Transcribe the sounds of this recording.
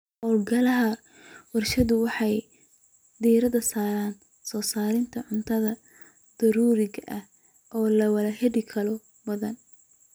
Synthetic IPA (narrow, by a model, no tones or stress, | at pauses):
hɔːlɡɐlɐɦɐ | wɐrʃɐðʊwɑħɑj | d̪iːɾɐðɐsaːɾaːn | sɔːsaːɾɪnt̪ʰɐʕʊnt̪ʰɐðɐ | d̪̥ɐɾuːɾɪɣɐʔɐh | ʔɔːlɐwɐlɐhɛɽɪkʰɐlɔ | bɐðɐn